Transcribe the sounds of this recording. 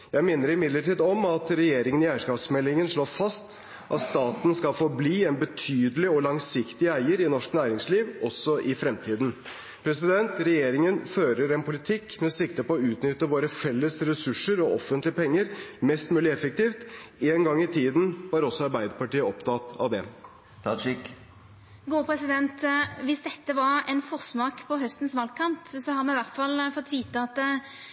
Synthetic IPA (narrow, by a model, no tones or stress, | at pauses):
jæɪmɪnːəɾɪmɪd̪ləʈiːd̪ɔmɑt̪ɾɛjeːɾɪŋənɪæɪʂkɑːpsmɛlːɪŋənʂɭoːfɑst̪ | ʔɑ̰t̪st̪ɑːt̪n̩skɑlfɔɾbliːɛnbət̪ʰyːd̪əlɪɔlɑŋsɪkt̪ɪæɪəɾɪnɔʂknæːɾɪŋsliːʋʔɔsːɔʔɪfɾɛmt̪ʰiːd̪n̩ | pʰɾɛsɪd̪ɛnt̪ɾɛjeːɾɪŋənføːɾəɾɛnpʊlɪt̪ʰɪkːmɛɔsɪk̚t̪əpɔɔʉːt̪nʏt̪ːəʋoːɾəfɛlːəsɾɛsʉʂəɾɔɔfənt̪lɪəpɛŋːəɾmɛst̪mʉːlɪɛfək̚t̪iːft̪eːnɡɑŋːɪt̪ʰiːd̪n̩ʋɑɾɔsːɔɑɾbæɪd̪əɾpɑʈiːəɔpt̪ʰɑt̪ɑ̰ʋd̪ɛ | t̪ʰɑʃɪk | ɡuːpʰʁɛsɪd̪ɛnt̪ʋɪsd̪ɛt̪ːəʋɑɾɛnfɔʁsmɑːkpʰɔɦœst̪ən̩sʋɑːlkʰɑmpsɔhɑɾmɛnʋæʁt̪fɑlːfɔt̪ːʋiːt̪əɑt̪ː